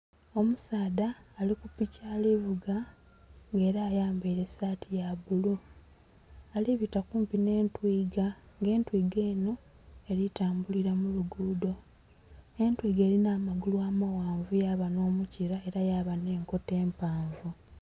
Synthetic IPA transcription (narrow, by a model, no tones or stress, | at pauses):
o̞musaːdaːlikupicaːliβuɡa | ŋɡe̞ːɾaːjaːmbiɾe̞saːtʰijaβulu | aliβitakuːmpine̞ːntwiːɡa | ŋɡe̞ːntwiːɡe̞ːno | e̞ɾitaːmbuliɾamuluɡuːdo̞ | e̞ntwiːɡe̞ːlinaːmaɡuluaːmawaːɱvujaːβano̞ːmuciɾae̞ɾajaːβane̞ːŋko̞te̞ːmpaːɱvu